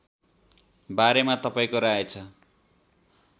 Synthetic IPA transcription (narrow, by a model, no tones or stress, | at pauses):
baɾemat̪ʌpaĩkoɾaet͡sʰʌ